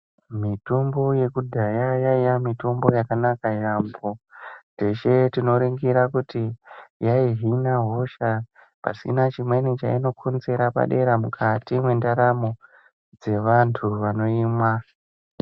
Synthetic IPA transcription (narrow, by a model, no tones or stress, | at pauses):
mitombo̞je̞kudʱajajaijamito̞mbo̞jakanakajamboteʃe̞tino̞ɾiŋɡiɾakutijaiɦinaɦo̞ʃa | pa̰sḭnat͡ʃimwe̞nit͡ʃaino̞kʰonze̞ɾapa̰ɗe̞ɾamukʰatimwe̞ndaɾamo̞ | d͡ze̞ʋantʰuʋano̞iːmwa